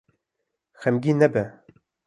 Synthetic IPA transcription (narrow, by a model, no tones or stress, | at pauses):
xɛmɡʲiːnɛbɛ